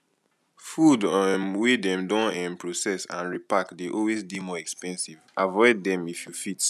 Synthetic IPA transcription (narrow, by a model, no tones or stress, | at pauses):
fudmwidɛ̃mdɔ̃nɛ̃mpʰɹosɛsã̰nɹipakdeʔɔlwezdimɔɛkspɛ̃nsivavɔɪdːɛ̃mifjufit